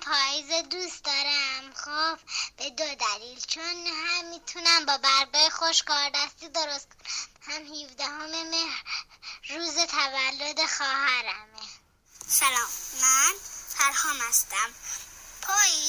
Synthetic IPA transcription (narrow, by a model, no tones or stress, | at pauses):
pʰɒːjized̪ust̪d̪ɒːɾæmxobb̥ed̪od̪æliːlt͡ʃʰonhæmːiːt̪ʰunæmbɒːbæɾbɒːjexoʃkɒːɾd̪æst̪id̪oɾost̪̚kʰonhæmhivd̪æɦomemehɾː | uːzet̪ʰævælːod̪exɒːɦæɾæme | sælɒːmmænfʰæɾhɒːmæst̪æmpʰɒːji